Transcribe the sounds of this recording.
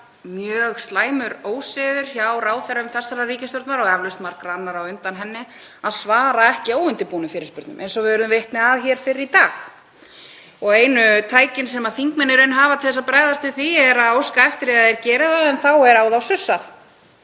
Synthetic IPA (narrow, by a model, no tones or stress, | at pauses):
mjœːɣst̪laːjmʏɾoːwsɛðʏɾ̥çawraːwθɛɾʏmθɛsːaɾariːcɪst̪ɔɾt̪naɾɔɣɛvlʏst̪maɾ̥kɾanːaɾawʏnt̪anɦɛnːɪ | aðsvaːɾaɛhcɪoːwʏnt̪ɪpuːnʏfɪːɾɪspʏɾt̪nʏ̰mḛjnsɔvɪʏɾðʏmvɪht̪nɪaðçɛːɾ̥fɪɾɪɾit̪aːx | ɔɣeːjnʏt̪ʰaːjcɪnsɛmaðθiŋkmɛnːɪɾʏnɦaːvat̪ʰɪlθɛsːapɾaːjðast̪ʏθviɛɾaðawskaɛft̪ɪɾɛðaðɛɾcɛːɾɪðaðɛnθawɛɾaːwðawsʏsːaθ